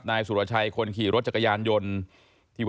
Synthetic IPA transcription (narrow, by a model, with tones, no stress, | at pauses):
p̚naː˧jsu˨˩ɾa˧t͡ɕʰa˧jkʰo˧nkʰiː˨˩ɾo˦˥t̪̚t͡ɕa˨˩kːa˧jaː˧njo˧n | t̪ʰiː˧˩